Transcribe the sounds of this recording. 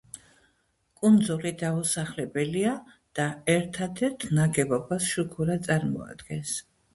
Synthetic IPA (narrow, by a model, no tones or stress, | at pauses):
kʼund̪zulid̪ausaχlɛbɛlia | d̪̥aɛɾt̪ʰad̪ɛɾt̪ʰnaɡɛbɔbasʃukʰuɾat̪sʼaɾmɔ̰a̰d̪ɡɛns